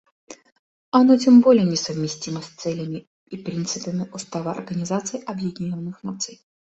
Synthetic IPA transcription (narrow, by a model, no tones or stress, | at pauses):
ɐnotʲembo̞lʲɪjənʲɪsəvmʲɪsʲtʲiməsʲt̪sɛlʲɪmʲɪ | ipɾʲint̪sɨpəmʲɪʔʊst̪avəɐ̰rɡənʲɪzat̪sɨjʔɐbjɪdʲɪnʲonːɨxnat̪sɨj